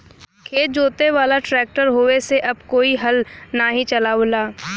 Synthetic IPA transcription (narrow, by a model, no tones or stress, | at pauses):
kʰeːt̪̚d͡ʒoːt̪eʋaːlaʈɾɛːk̚ʈəɾɦoːeseʔɐbkoːiɦɐlnaɦĩt͡ʃɐlaoːlaː